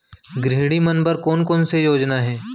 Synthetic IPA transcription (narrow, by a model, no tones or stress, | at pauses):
ɡɾeɦɽimɐnpəɾkɔːnkɔːnsejoːd͡ʒnaɦɛ̃ː